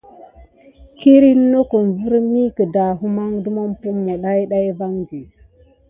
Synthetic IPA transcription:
ki˦ɾi˦nː˦o˦ko˨mvu˦ɾmi˦kə˨da˨ɦu˦ma˦ŋdu˦ma˦mpu˦mːo˨ɗa˦jɗa˦i˦va˦ŋd͡ʒi˨

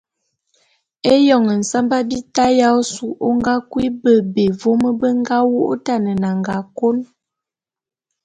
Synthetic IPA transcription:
e˦jɔ˨ŋə˨n̩˨sa˦mba˦bi˦ta˦ja˦o˦su˨ʔo˦ŋɡa˦kwi˦bə˦be˨vo˦mə˦bə˦ŋ˦ɡa˦wo˦ʔo˦ta˦˨nə˨na˨ŋɡa˨ko˦n

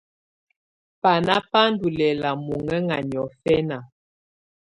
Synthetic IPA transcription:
pa˨na˦pa˦n̩˦du˨lɛ˨la˨mo˨ŋɛ˦ŋa˨ɲ˨ɔ˨fɛ˦na˨

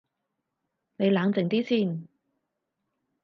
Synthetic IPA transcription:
ne˨˧jlaː˨˧ŋt͡sɪ˨ŋt̪iː˥siː˥˩n

